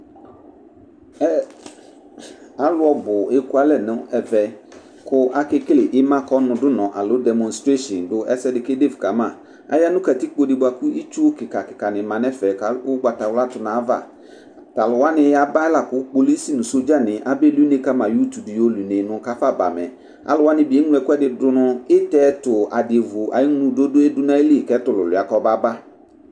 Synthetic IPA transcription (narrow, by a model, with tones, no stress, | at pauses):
a˨lʊ˦ɔ˦bʊ˨e˦ku˦a˨lɛ˨nʊ̃˨˦ɛ˨vɛ˨ | kʰʊ˦ʔa˦kɪ˦klɪ˨ʔɪ˦mã˦kɔ˦nʊ̃˨dʊ˦nɔ̃˨ʔa˨lʊ˨˦dɛ˨mɔ̃˨nstɾe˦ʃɔ˨ndʊ˨ɛ˦sɛ˦dɪ˨ke˦de˦˨vka˨mã˦˨ | a̰˦ja˦nʊ̃˦ka˨tɪ˦k͡po˦di˨bʊ˨a˨kʊ˦i˦t͡ʃu˦kɪ˨ka˨kɪ˨ka˨nɪ̃˨mã˨nɛ˦fɛ˨ka˨˦ʊ˦ɡ͡ba˨ta˨wla˦tʊ˨nã˨˦va̰˦˨ | ta˨lʊ˨wa˦nɪ̃˨ja˨ba˦la˨kʊ˨˦k͡po˨˦li˦si˦˨nʊ̃˨so˦d͡ʒa˦nɪ̃˨ʔa˦bɛ˦lu˦ne˦ka˦mã˨ju˦tu˨di˨jo˦lu˨ne˨nʊ̃˨˦ka˦fa˦˨ba̰˨mɛ˨ | a̰˨lʊ˨wa˦nɪ̃˨˦be˨˦ŋ˦lʊ˦ɛ˨kʊ˦ɛ˦dɪ˨dʊ˦nʊ˦ɪ˦tɛ˦tʊ˨a˨dɪ˨e˨vʊ˨ʔa̰˨ɪ˦ŋ˦nũ˨˦do˦dʊ˦ɛ˦dʊ˦nã˦e˦li˦˨kɛ˨˦tʊ˨lʊ̰˨lʊ˨a˨kɔ˦ba˦ba˦